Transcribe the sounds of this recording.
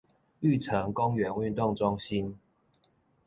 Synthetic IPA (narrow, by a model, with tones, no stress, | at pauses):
y˥˨˩t͡sʰə˨˦ŋkʊ˦ŋɥɛ˨˦˥ny˥˧nt̪ʊ˥˩ŋʈ͡ʂʊ˥ŋɕi˦˥n